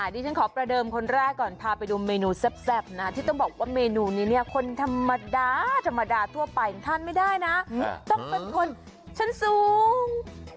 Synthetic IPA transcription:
ʔaː˨˩t̪iː˥˩a˦˥nkʰɔː˩˦pɾa˧dɤː˧mkʰo˧nɾɛː˥˩kːɔː˨˩npʰaː˧pa˧jduː˧meː˧nuː˧sɛ˦˥˩p̚sɛ˦˥˩p̚na˦˥t̪ʰiː˥˩t̪ɔ˥˩ŋbɔː˨˩k̚waː˥˩meː˧nuː˧niː˦˥˩ni˥˩ɐkʰo˧nt̪ʰa˧mːa˧daː˧t̪ʰa˧mːa˧daː˧t̪ʰu˥˩ɐpa˧jŋt̪ʰa˥˩nma˥˩jdaː˥˩jna˦˥t̪ɔ˥˩ŋpe˧nkʰo˧n | t͡ɕʰa˦˥nsuː˨˦ŋ

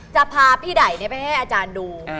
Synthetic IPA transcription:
t͡ɕa˨˩pʰaː˧pʰiː˥˩da˨˩˦jni˥˩ɐpa˧jha˥˩jʔaː˧t͡ɕaː˧nduː˧

